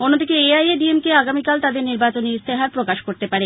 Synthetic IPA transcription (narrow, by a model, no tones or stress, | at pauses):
onːod̪ikeeajeɖiemkeaɡamikalt̪ad̪eɾniɾbat͡ɕoniist̪ʰeɦaɾpɾokaʃkoɾt̪epaɾe